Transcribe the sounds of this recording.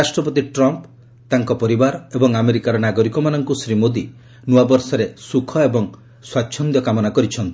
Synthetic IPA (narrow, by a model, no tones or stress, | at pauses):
ɾasʈɾɔpɔt̪iʈɾɔmp | t̪aŋkɔpɔɾibaɾebɔŋameɾikaɾɔnaɡɔɾikɔmanɔŋkusɾimod̪i | nuabɔɾsɔɾesukʰɔebɔŋ | swaːt͡ʃʰɔnd̪jɔkamɔnakɔɾit͡ʃʰɔnt̪i̥